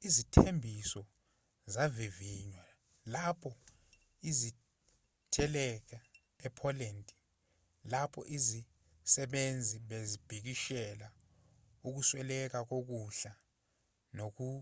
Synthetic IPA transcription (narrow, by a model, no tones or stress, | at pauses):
izitʰembʱisɔ | zaviviɲwa | lapʰɔ | izi | tʰɛlɛk̬a | ɛpʰɔlɛntʼi | lapʰɔ̰ʔizi | sɛɓend͡zʱiɓezib̥ʱik̬iʃɛla | uk̬uswɛlɛk̬ak̬ok̬uɬa | nok̬u